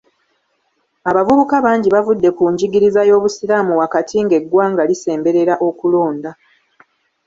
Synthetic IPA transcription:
aβavuβukaβaːɲɟiβavudːe̞kuɲɟiɡiɾizajo̞ːβusiɾamuwakatʰiŋɡe̞ɡwaːŋɡalise̞ːmbe̞ɾe̞ɾaʔo̞kulo̞ːnda

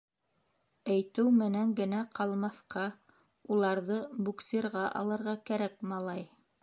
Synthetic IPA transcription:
æjt̪ɘwmɘ̆næŋɡɘ̆næqɑlˠmɑθqɑ | ulˠɑɾðɤbuksʲeɾʁɑʔɑ̰lˠɤ̆ɾʁɑkæɾækmɑlˠɑj

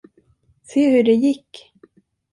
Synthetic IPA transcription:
seːhɵɖɛjɪkː

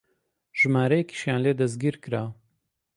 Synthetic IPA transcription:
ʒ̥ɨmaːɾɐjeki̥ʃjaːnleːd̪ɐzɡiːɾkɨɾaː

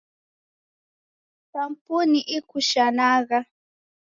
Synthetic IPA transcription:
tampʊnɪʔɪkʊʃanɑɢɑ

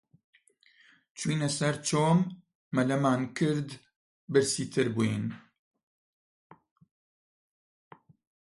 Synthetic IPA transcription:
t͡ʃwiːnɛsɛɾt͡ʃoːmː | ɛlɛmaːnkʰɪɾd̪ | bɨɾsiːt̪ʰɨɾbuen

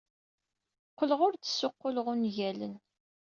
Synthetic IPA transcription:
qːəlʁʊɾt͡sːə̥sːʊqːʊləʁʊnʝælə̰n

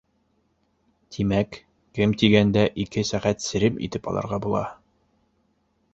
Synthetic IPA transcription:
t̪ʰimæk | kɘmt̪iɡænd̪æʔikɘsæʁæt̪sɘ̆ɾɘmḭt̪ɘpɒ̰lˠɑ̰ɾʁɑbulˠɑ̰

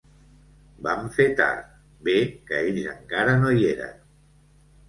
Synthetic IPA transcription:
baɱfet̪a̰ɾt̪ | bekəeʎzəŋkaɾənoieɾə̰n

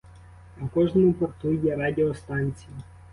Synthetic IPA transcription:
ɐwkɔʒnɔmʊpɔrt̪ujɛɾɑd̪ʲeɔst̪ɑnʲt͡sʲiji

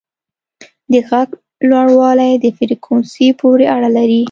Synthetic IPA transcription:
d̪əɣaɡ | lwaɽwɑlajd̪əfɪɾikʰonsipoɾeʔaɽalaɾi

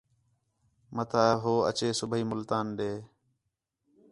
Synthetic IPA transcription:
mət̪ʰaːɦoːə̰t͡ʃeːsʊbʱiːmʊlt̪aːnɗeː

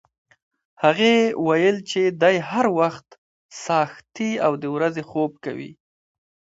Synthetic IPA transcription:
haɣewajəlt͡ʃed̪ajhaɾwaxt̪ | sɑxt̪iawd̪əwɾazexob̚ka̰wḭ

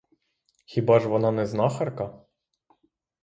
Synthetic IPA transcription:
xʲibɑʒʋɔnɑnɛznɑxɐrkɐ

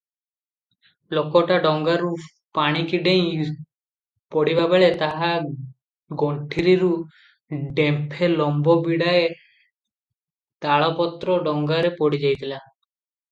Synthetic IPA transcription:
lokɔʈaɖɔŋɡaɾu | paɽ̃ikiɖej̃ | pɔɽibabeɭet̪aɦa | ɡoɳʈʰiɾiɾu | ɖempʰelɔmbɔbiɽae | t̪aɭɔpɔt̪ɾɔɖɔŋɡaɾepɔɽid͡ʒajt̪ila

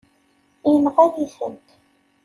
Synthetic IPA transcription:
inʁæðiθə̰nt̪

